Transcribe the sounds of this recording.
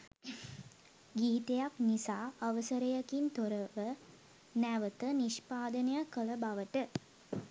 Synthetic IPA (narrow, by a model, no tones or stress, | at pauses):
ɡiːt̪ejaknisaːɐʋəsəɾɐjɐkint̪oɾɐʋə | næʋət̪əniʃpaːd̪ənɐjakəɭɐbaʋəʈə